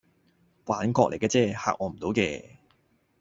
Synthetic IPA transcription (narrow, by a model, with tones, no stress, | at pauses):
kwaː˨˧˥nkɔː˧lʔe˨˩kɛː˧t͡sɛː˧ha̰ː˧˥k̚ʔɔː˨˧m̩˨˩t̪o˨˥wkɛː˧